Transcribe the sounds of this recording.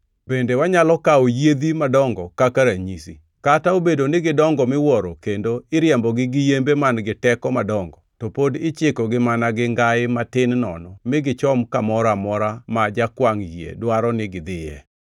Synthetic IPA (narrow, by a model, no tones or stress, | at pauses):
bendewaɲalɔkaojed̪imadɔŋɡɔkakaɾaɲisḭ | kataobedonɪɡɪdɔŋɡɔmɪwɔɾokendoɪɾjɛmbɔɡɪɡɪjembemanɡɪtɛkɔmadɔŋɡɔtɔpodɪt͡ʃɪkɔɡɪmanaɡɪŋɡaɪmatɪnnɔ̰nɔmɪɡɪt͡ʃɔmkamɔɾamɔɾamad͡ʒakwaŋjiḛdwaɾɔnɪɡɪd̪ɪjɛ̰